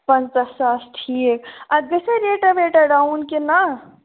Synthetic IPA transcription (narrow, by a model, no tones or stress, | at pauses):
pənt͡ʃasasʈʰikad͡ʒeseɾeʈabeʈaɖaunkena